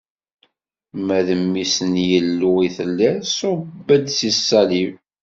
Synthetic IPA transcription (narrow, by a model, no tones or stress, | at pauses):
mæðəmːisənjəlːuiθəlːæsobːəd̪sisːɑliv